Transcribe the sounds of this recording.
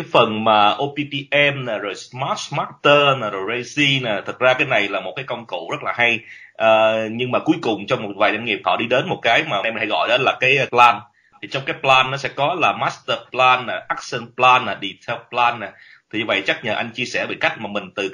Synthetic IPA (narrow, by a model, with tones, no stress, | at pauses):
aː˨˦jfə˨˩nmaː˨˩ʔo˧pi˧pi˧ʔɛ˧mna˨˩zo˨˩jsmaː˦˥t̚smaː˦˥t̚t̪əː˧na˨˩zo˨˩jze˧zi˧naː˨˩t̪ʰə˨˩k̚zaː˧kaː˨˦jna˨˩jlaː˨˩mo˨˩t̚kaː˨˦jkə˧wŋ͡mkṵ˧˩˨zə˦˥t̚laː˨˩ɦa˧j | ʔəː˨ɲɨ˧ŋmaː˨˩ku˨˦jkʊ˨˩ŋ͡mt͡ɕɔ˧wŋ͡mmo˨˩t̚vaː˨˩jza˧ŋi˨˩əp̚h̪ʰɔ̰˧˩ɗi˧ɗe˨˦nmo˨˩t̚kaː˨˦jmaː˨˩˨jmi˨˩nha̰˧˦jɣɔ̰˧˨jɗə˨˦laː˨˩kaː˨˦jplaː˧n | t̪ʰi˨˩t͡ɕɔ˧wŋ͡mkaː˨˦jplaː˧nːɔ˨˦sɛ̰˧˥kɔ˨˦laː˨˩maː˦˥st̪ə˧plaː˧naː˨˩ʔa˦˥k̚sɛ˧nplaː˧nːaː˨˩ɗi˧˩t̪ʰɛ˧wplaː˧nːa˨˩ | t̪ʰi˨˩ɲɨ˧və̰˧˨jt͡ɕa˦˥k̚ɲə̰˧˨nʔa˧jŋ̟t͡ɕi˧əsɛ˧˩ɓḭ˧˨˩ka˦˥jk̚maː˨˩mï˨˩ŋ̟t̪ɨ˨˩